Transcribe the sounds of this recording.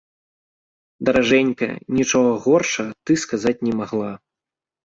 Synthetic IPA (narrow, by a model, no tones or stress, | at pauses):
d̪ɐɾaʐɛnʲkɐ̰nʲit͡ʂɔɣɐɣɔrʂɐɐt̪ɨskazat͡sʲnʲɛmaɣlˠa